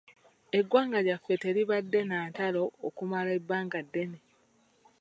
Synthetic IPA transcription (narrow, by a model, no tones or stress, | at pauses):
e̞ɡwaːŋɡaɟafːe̞te̞ɾiβadːe̞naːtalo̞ːkumalaebːaːŋɡadːe̞ne